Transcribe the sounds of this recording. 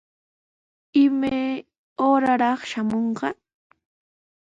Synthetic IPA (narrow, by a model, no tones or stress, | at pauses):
ɪmaj | oːɾaɾɑχʃamoɴqɑ